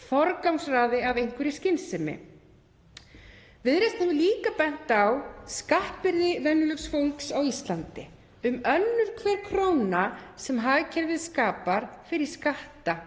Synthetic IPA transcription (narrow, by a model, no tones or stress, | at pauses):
fɔɾkawmsraːðɪavejŋ̥kvʏɾɪscɪnsɛmɪ̰ | vɪðɾest̪ɛvʏliːkapɛn̥t̪awskahpɪɾðɪvɛnːʏlʏksfowlksawist̪lant̪ɪ | ʏmœnːʏɾ̥kʰvɛɾkʰɾownasɛmɦaðcʰɛɾvɪðskaːpaɾ̥fɪɾɪɾ̥skaht̪a